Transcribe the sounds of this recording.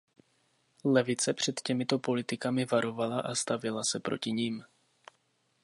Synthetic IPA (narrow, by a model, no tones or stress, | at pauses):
lɛvɪt͡sɛpr̝̥ɛt̪cɛmɪt̪o̞po̞lɪt̪ɪkamɪvaɾo̞valaʔast̪avɪlasɛpɾo̞cɪɲiːm